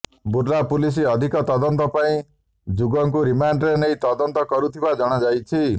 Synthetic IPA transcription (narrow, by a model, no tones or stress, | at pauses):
buɾlapulis̬iɔd̪ʱikɔt̪ɔd̪ɔnt̪ɔpaĩ | d͡ʒuɡɔŋk̬uɾimaɳɖɾenejt̪ɔd̪ɔnt̪ɔkɔɾut̪ʰibad͡ʒɔɽ̃ad͡ʒajt͡ʃʰi